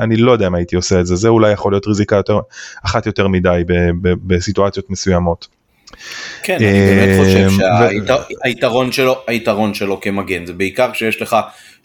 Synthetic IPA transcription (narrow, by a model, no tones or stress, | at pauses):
ʔanilo̞jd̪eaimait̪io̞seetzezeulajːeχolijo̞tʁizikajo̞t̪eʁaχatjo̞teʁmidajbebebesituat͡sjo̞t̪mesujamo̞t̪ | kenaeibemeχoʃaveiaait̪aʁo̞nʃeloait̪aʁo̞nʃelo̞kemaɡinzebeikaʁʃejeʃleχa